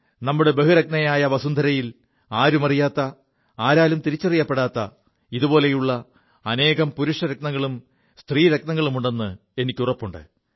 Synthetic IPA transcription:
nɐmːuɽe̞be̞ɦuɾɐk̚nɐjaːjɐʋɐsund̪ʱɐɾɐjil | aːɾumɐrijaːt̪ːɐ | aːɾaːlumt̪iɾit͡ɕːɐrijːɐpːeɽaːt̪ːɐ | iðupo̞ːle̞juɭːɐ | ɐne̞ːɣɐmpuɾuʂɐɾɐk̚nɐŋːɐɭum | st̪riːɾɐknɐŋːɐɭumuɳɖe̞nːɨ | e̞nikʲːurɐpːuɳɖɨ̰

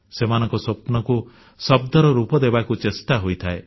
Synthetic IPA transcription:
semanɔ̃ŋkɔsopnɔku | sɔb̚d̪ɔɾɔɾupɔd̪ebakut͡ʃest̪aɦojt̪ʰae

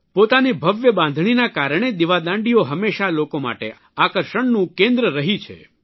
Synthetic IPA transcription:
pot̪anibʱəʋjəbãnd̪ʱɳinakaɾɳ̃ed̪iʋad̪ãɳɖioɦəmeʃalokoma̰ʈḛ | akəɾʃəɳnũkẽnd̪ɾəɾəɦit͡ʃʰḛ

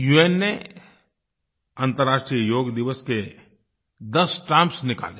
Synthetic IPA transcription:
jueːnːe | ãːnt̪əɾːaːʃʈɾijəjoːɡd̪ɪʋəske | d̪ɐsʈãːmpsnɪka̰ːle

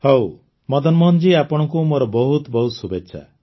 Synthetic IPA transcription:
how | mɔd̪ɔnmɔnd͡ʒiapɔɽ̃ɔŋkumoɾɔbɔɦut̪bɔɦusubetːʃʰa̰

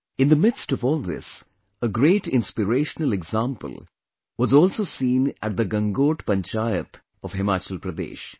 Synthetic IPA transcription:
ɪ̃nd̪əmɪd̪stɔvɔːlˠd̪ɪ̰s | əɡɾeːʈɪ̃nspɪɾeːʃənəlɛɡzãmpə̰l | wɔzɔːlsoːsĩːnʔæ̰ʈ̚d̪əɡʌ̃ŋɡoːʈpə̃nt͡ʃajət̪ | ɔʋhɪmaːt͡ʃəlpɾəd̪ḛːʃ

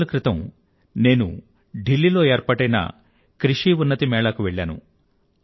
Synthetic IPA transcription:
lukɾit̪ɐm | ne̞ːnṵ | ɖilːilo̞ːeːɾpɐʈɐjnɐ̰ | kɾiʂiːunːɐt̪imɛːɭɐkuʋeɭːa̰ːnṵ

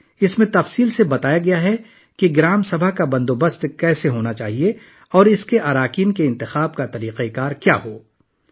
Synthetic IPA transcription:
ɪsmẽt̪ɐfsiːlsebɐt̪aːjaɡɐjaɦɛ | kiɡɪɾaːmsɐbʱakabɐ̃nd̪obɐst̪kɛːseɦoːnat͡ʃaːɦie | ɔːɾɪskeʔaːɾaːkiːnkeɪ̃nt̪ɪxaːb̚kat̪ɐɾiːqekaːɾkja̰ːɦoː

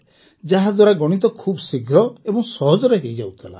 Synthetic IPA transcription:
d͡ʒaɦad̪waɾaɡɔɽ̃it̪̬ɔkʰubsiɡʱɾɔebɔŋsɔɦɔd͡ʒɔɾeɦejd͡ʒawt̪ʰela̰

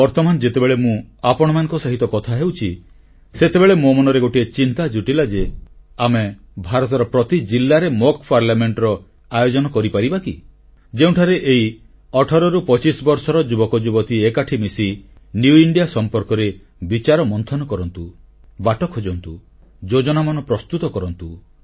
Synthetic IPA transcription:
bɔɾt̪ɔmanɔd͡ʒet̪ebeɭemũapɔɽ̃ɔmanɔ̃ŋkɔsaɦit̪ɔkɔt̪ʰaɦewt͡ʃʰi | set̪ebeɭemomɔnɔɾeɡoʈiet͡ʃint̪ad͡ʒuʈilad͡ʒeame | bʱaɾɔt̪ɔɾɔpɾɔt̪id͡ʒilːaɾemokpaɾljameɳʈɾɔ | ajod͡ʒɔnɔkɔɾipaɾibaki | d͡ʒeũʈʰaɾeʔei | ɔʈʰɔɾɔɾupɔt͡ʃisbɔɾsɔɾɔd͡ʒubɔkɔd͡ʒubɔt̪iekaʈʰimisi | njuiɳɖijasɔmpɔɾkɔɾe | bit͡ʃaɾɔmɔnt̪ʰɔnɔkɔɾɔnt̪u | baʈɔkʰod͡ʒɔnt̪u | d͡ʒod͡ʒɔnamanɔpɾɔst̪ut̪ɔkɔɾɔnt̪u

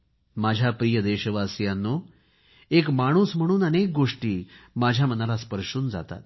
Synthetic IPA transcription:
mad͡ʑʱjapɾijəd̪eɕəʋasjanːo | ekmaɽ̃uːsm̤əɽ̃uːnənek̚ɡoʂʈiːmad͡ʑʱjamənalaspəɾʂuːnd͡za̰t̪a̰t̪

